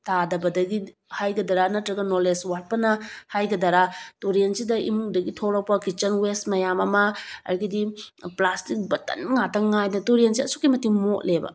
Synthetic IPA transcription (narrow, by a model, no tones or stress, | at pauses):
tadɐbɐdɐɡi | hajɡɐdaɾanɐtɾɐɡɐnoleswat̚pɐnɐhajɡɐdaɾatuɾiensidɐʔḭmuŋdɐɡitʰoɾɔpɐkit͡ʃɐnwesmɐjamɐmɐɐ̰ɾɡidiplastik̚bɐtɐ̰nŋatɐŋŋajdɐtuɾiensiɐsukimɐtiŋmot̚lebɐ̰